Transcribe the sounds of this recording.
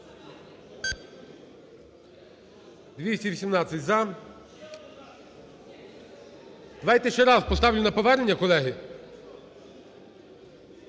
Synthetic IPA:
d̪ʋʲisʲtʲiʋʲisʲimnɑt͡sʲːɐtʲzɐ | d̪̥ɐʋɑjt̪ɛʃt͡ʃɛɾɑspɔst̪ɑʋlʲʊnɐpɔʋɛɾenʲːɐkɔlˠɛɦɪ

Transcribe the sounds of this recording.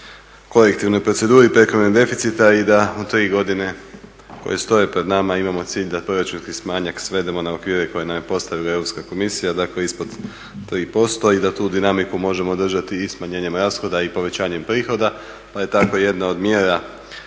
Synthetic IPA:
ko̞lekt̪iʋno̞jpɾo̞tse̞d̪uːɾipɾe̞kɾonid̪e̞fit̪sit̪aid̪aut̪ɾiːɡo̞d̪ine̞ | ko̰je̞st̪o̞je̞pɾe̞d̪namaimamo̞t̪siːʎd̪apɾoɾat͡ʃut̪kismaːɲaksʋe̞d̪e̞mo̞naokʋiːɾeko̞jenamjepo̞st̪aʋilae̞ʋɾo̞pskako̞misijad̪akle̞ispo̞d̪ | t̪ɾiːpo̞st̪o̞id̪at̪uːd̪inamikumo̞ʒe̞mo̞ːd̪r̩ʒat̪iːsmaɲe̞ːɲe̞mɾaːsxo̞d̪aipo̞ʋe̞t͡ɕaːɲe̞mpɾiːxo̞d̪a | paje̞t̪ako̞je̞d̪nao̞d̪mjeːɾa

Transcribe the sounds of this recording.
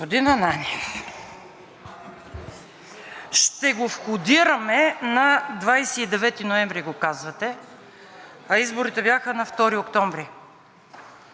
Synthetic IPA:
od̪inɐnani | ʃt̪ɛɡofxʊd̪iɾɐmɛnɐd̪vajsɛːd̪ɛvɛt̪inoɛmvɾiɡokazvɐt̪ɛ | ɐizboɾit̪ɛbjaxənɐft̪ɔɾiokt̪ɔmvɾi

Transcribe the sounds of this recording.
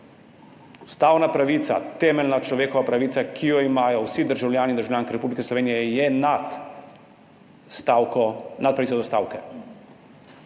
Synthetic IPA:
u̥st̪aːwnapɾaʋiːt̪sa̰t̪ɛːmɛlnat͡ʃlɔʋeːkɔʋapɾaʋiːt̪sakʰijɔimaːjɔwsid̪əɾʒawljaːnind̪ɾʒawljaːŋkiɾɛpublikɛslɔʋeːnijɛjɛnat̪ | st̪akɔnat̪̚pɾaɐiːt͡s̪sɔd̪ɔst̪a̰ːwkɛ

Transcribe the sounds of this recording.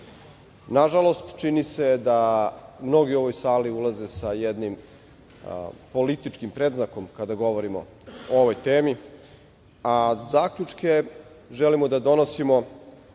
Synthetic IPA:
naʒalo̞st̪t͡ʃinise̞d̪amno̞ɡio̞ʋo̞jsaːliulaze̞sajed̪nim | po̞lit̪it͡ʃkimpɾed̪znako̞mkad̪aɡo̞ʋo̞ɾimo̞̰ | ooʋo̞jt̪eːmi | azaːkʎut͡ʂke̞ | ʒelimod̪ad̪o̞no̞simo̞

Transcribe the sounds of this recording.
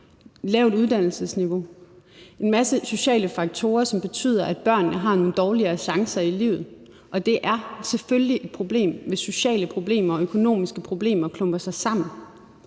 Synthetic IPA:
lɛʊd̥uð̞ˠd̥ænl̩səsniʋo̝ | e̝nmæsəso̝ɕɛ̰ːləfɑ̈ɡ̥̚t͡sʰo̝ːɐsɒ̽mb̥e̝t͡sʰy̰ːðˠɐʔæd̥̚b̥ɶɐ̰nːəɦɑ̈no̝ːn̩d̥ɒːliɐːɕɑ̈ŋsɐilḭːʊð̩ˠ | ʔɒ̽d̥e̝ʔæɐseføljiʔe̝d̥̚pʰʁo̝b̥le̝̰ːmʋe̝so̝ɕɛ̰ːləpʰʁo̝b̥le̝̰ːmɐɒ̽økʰo̝no̝̰ːmisɡ̥əpʰʁo̝b̥le̝̰ːmɐkʰlɔ̽mb̥ɐsɑ̈ɪsɑ̈m̰n̩

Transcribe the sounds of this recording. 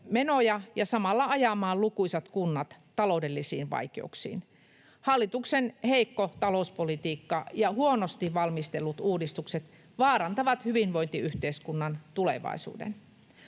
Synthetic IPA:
menojɑjɑsɑmɑlːɑɑjɑmɑːllukuisɑt̪kunːɑt̪ːɑloudelːisḭːnʋɑ̰ikḛṵksḭːn | hɑlːit̪uksenheikːot̪ɑlouspolit̪iːkːɑjɑhuonost̪iʋʋɑlmist̪elːut̪uːdist̪ukset̪ | ʋɑːɾɑnt̪ɑʋɑt̪hyʋinʋoint̪iyht̪eiskunːɑnt̪ulḛʋɑ̰isṵːdḛn

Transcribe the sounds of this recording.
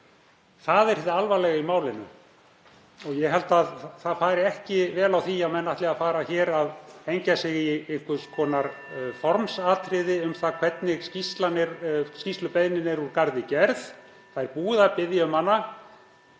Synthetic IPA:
θaðɛɾ̥ɛt̪ːaalvalɛɣaimaːwlɪnʏ̰ | ɔɣjɛɦɛlt̪aðθaðfaːɾɪɛhcɪvɛːlawθiamɛnːaht̪lɪaðfaːɾaçɛːɾaðejɲcasɪɣieŋ̥kʏskʰɔːnaɾ̥ | fɔɾmsaːt̪ʰɾɪðɪʏmθakʰv̥ɛt̪nɪɣscist̪lanɪɾscist̪lʏpeðnɪnɪɾuɾkaɾðɪcɛɾθ | θaðɛɾpuːðapɪðjaʏmhanːa

